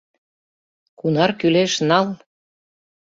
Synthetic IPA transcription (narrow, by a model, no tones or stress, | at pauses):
kunɑrkyleʃnɑl